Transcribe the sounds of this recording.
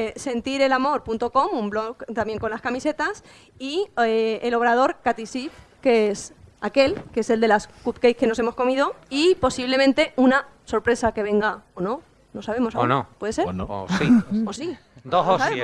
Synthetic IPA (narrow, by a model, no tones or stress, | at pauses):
se̞nt̪iɾe̞lamo̞ɾpunt̪o̞ko̞mumblo̞kt̪amje̞ŋko̞nlaskamise̞t̪as | ieelo̞β̞ɾað̞o̞ɾkat̪isif | keesake̞lkeese̞ld̪e̞laskupkejke̞no̞se̞mo̞sko̞mið̞o̞ipo̞siβle̞mẽnt̪e̞unaso̞ɾpɾe̞sake̞βe̞ŋɡaono̞ | no̞saβ̞e̞mo̞saonopweðese̞ɾiosi | ososae